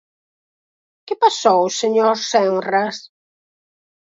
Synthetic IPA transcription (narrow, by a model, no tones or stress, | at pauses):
kɪpasowseɲoɾsɛŋras